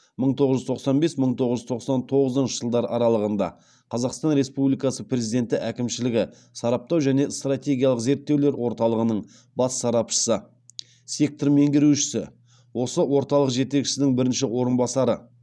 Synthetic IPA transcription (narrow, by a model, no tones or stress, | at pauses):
məɴt̪ʰo̞ʁəʒʏzt̪ʰo̞qsɑnbe̞sməɴt̪ʰo̞ʁəʒʏzt̪ʰo̞qsɑnt̪ʰo̞ʁəzənʃəʒəlˠd̪ɑɾɑɾɑlˠəʁənd̪ɑ̰ | qʰɑzɑqst̪ɑnɾe̞spublijkɑsəprʲe̞zid̪e̞nt̪ɪʔækʲɪmʃɪlɪɡʲɪ | sɑɾɑp̚t̪ɑwʒæne̞st̪rat̪ʲe̞ɡʲijɑlˠəqze̞ɾt̪ːe̞wle̞ɾwo̞ɾt̪ɑlˠəʁənəɴ | bɑsːɑɾɑpʃə̥sə | sʲe̞k̚t̪rme̞ŋɡʲɪɾuʃɪ̥sɪ̰ | wo̞səwo̞ɾt̪ɑlˠəqʒe̞t̪e̞kʃɪ̥sɪnɪŋbɪɾɪnʃɪwo̞ɾənbɑsɑɾə